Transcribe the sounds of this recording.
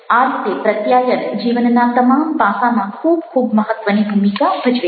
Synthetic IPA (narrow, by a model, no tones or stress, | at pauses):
aːɾt̪t̪epɾət̪jajənd͡ʒiʋənːat̪əmampãsãmãkʰuːbkʰuːbməɦət̪ʋənibʱumikabʱɐd͡ʒʋe